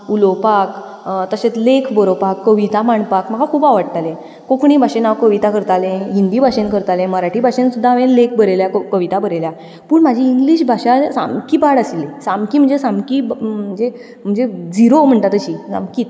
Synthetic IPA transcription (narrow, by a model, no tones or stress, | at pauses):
ulopakt̪əɕet͡slekʰbəɾopakːəʋit̪amaɳpakm̤əɡakʰuːbaʋəɽt̪alẽ | kokɳ̃ibʱaɕenaʋkəʋit̪akəɾt̪alẽɦind̪ibʱaɕenkəɾt̪alẽməɾaʈibʱaɕensud̪ʱːaʋẽnlek̚ʰbəɾeljakkəʋit̪abʱəɾelja | puːɳmad͡ʑʱiːŋɡliɕbʱaɕasa̰mkiːbaɽasilesamkiːm̤əɳd͡zesamkibm̤əd͡ze | m̤əɳd͡zed͡ziɾom̤əɳt̪at̪əɕid͡za̰mkiːt̪